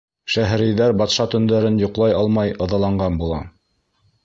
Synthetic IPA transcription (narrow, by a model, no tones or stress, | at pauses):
ʃæɦɾɘ̆jðæɾbɑt̪ʃɑt̪ɵ̆nd̪æɾɘnjŏqlˠɑjɑlˠmɑjɤ̆ðɑlˠɑɴɢɑnbulˠɑ